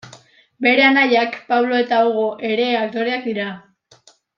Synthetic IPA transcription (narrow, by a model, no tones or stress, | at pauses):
be̞ɾe̞anajakpaβlo̞e̞t̪aoɣoʔe̞ɾe̞ak̚t̪o̞ɾeak̚d̪iɾa